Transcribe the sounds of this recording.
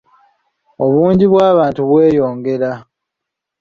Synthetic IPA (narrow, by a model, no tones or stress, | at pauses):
o̞βuːɲɟiβwaːβaːntuβwe̞ːjo̞ːŋɡe̞ɾa